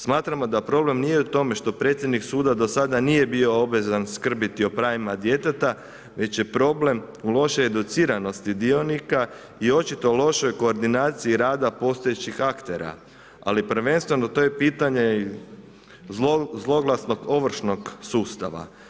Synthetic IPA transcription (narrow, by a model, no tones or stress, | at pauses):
smaːt̪ɾamo̞d̪apɾo̞ble̞mnijeut̪o̞me̞ʃt̪o̞pɾe̞ːt̪sʲjed̪niksuːd̪ad̪o̞sad̪anije̞bio̞obʋe̞zanskr̩bit̪io̞pɾaːʋimad̪je̞t̪et̪a | ʋe̞t͡ɕje̞pɾo̞ble̞m | ulo̞ʃojed̪ut̪siːɾano̞st̪id̪io̞nika | io̞t͡ʃit̪o̞lˠo̞ʃo̞jko̞ːɾd̪inaːt̪siiɾaːd̪apo̞ːst̪o̞jet͡ʃixakt̪e̞ɾa̰ | a̰lipr̩ʋe̞nst̪ʋe̞not̪o̞jepiːt̪aɲe̞ | zlˠo̞ɡlˠasno̞ɡo̞ʋr̩ʃno̞ɡsuːst̪a̰ʋa̰